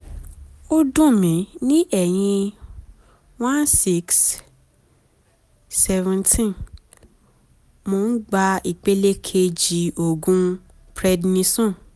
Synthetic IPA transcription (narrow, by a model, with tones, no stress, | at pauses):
o˦dũ˦˨mĩ˨˦nĩ˦ʔɛ˨j̃ĩ˧ | w̃ã˦nsi˦ks | ɛ˧vɛ̃˧ntʰĩ˦n | mo˧˦n̩˦ɡ͡ba˧i˨k͡pe˦le˦kʰe˧d͡ʒi˨o˨ɡũ˦ | pɾɛ˧dnĩ˧˦sɔ̃˦˨